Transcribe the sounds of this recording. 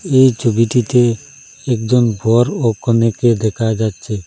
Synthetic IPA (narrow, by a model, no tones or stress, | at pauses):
ejt͡ʃubiʈit̪eː | k̚d͡ʒɔnbʱɔɾokɔneked̪ɛkʰajd͡ʒadt͡ʃʰe